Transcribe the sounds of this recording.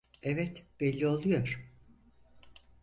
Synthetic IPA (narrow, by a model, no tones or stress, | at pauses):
ɛvɛt̪b̥elʲːio̞lˠujo̞ɾ̥